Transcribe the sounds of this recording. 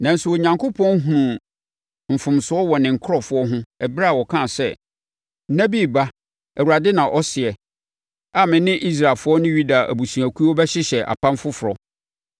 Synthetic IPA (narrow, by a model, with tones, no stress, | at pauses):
nã˨n̩˦sʊ˨wɔ˨ɲã˨ŋko˦pʰɔ̃˦nɦũ˨ũ˨ | m̩˨fʊ̃˨msʊ˨˦ɔ˦wɔ˨nɪ̃˨ŋ̩˨kʰɾɔ˨fʊ˦ɔ˦ɦʊ̃˦ɛ˨bɾa˦a˨wɔ˨kʰã˦˨sɛ˦ | na˦bi˦˨ba˦ | æ˨wu˨ɾa˨dɪ˦nã˨ʔɔ˦sɪ˨ɛ˨ | a˨mɪ̃˨nɪ̃˦ʔi˦s̬ɾa˨lfʊ˦ɔ˦nʊ̃˦ɥu˦da˨ʔæ̰˨bu˨sũ˨æ˨kʷʰu˦ɔ˦bɛ˦ɕɪ˦ɕɛ˨ʔa̰˨pã˦mfʊ˦fʊ˨ɾɔ˨